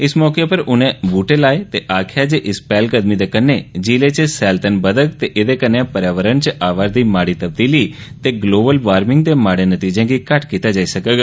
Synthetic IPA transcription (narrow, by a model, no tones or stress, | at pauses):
ɪsmɔːkepəɾʊnẽbuːʈelaːet̪eʔaːkʰjad͡ʒeʔɪspaːlkəd̪mid̪ekənːed͡ʒiːlet͡ʃesɛːlt̪ənbəd̪əkt̪eʔed̪ekənjãpəɾjaːʋəɾənt͡ʃəʔaːʋaɾd̪imaːɽit̪əb̚d̪iːli | t̪eɡloːbəlʋaːɾmɪ̃ŋɡd̪emaːɽenət̪id͡ʒẽkikaʈkit̪ad͡ʒaːisəkəɡa